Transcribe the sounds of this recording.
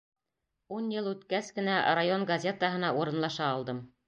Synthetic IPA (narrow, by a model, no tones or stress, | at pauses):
unjɤlˠʉt̪kæskɘ̆nærajoŋɡɐzʲet̪əɦɤ̆nɑʔuɾɤ̆nlˠɑʃɑːlˠd̪ɤm